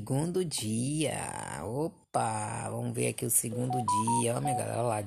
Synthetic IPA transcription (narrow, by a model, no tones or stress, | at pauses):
ɡũd̪ʊd͡ʒiɐ̰opavɐ̃mʊvḛɾakiʊseɡũd̪ʊd͡ʒiɐɔmĩɐɡa̰lɛ̰ɾala